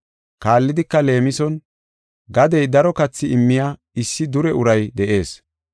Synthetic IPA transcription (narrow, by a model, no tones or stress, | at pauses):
kaːlːɪd̪ɪkːɐle̞ːmɪsɔn | ɡɐd̪ɛjd̪ɐɾɔkɐt͡sːɪɪmːɪjaː | ɪsːɪd̪ʊɾɛʔʊɾɐjd̪ɛʔe̞ːs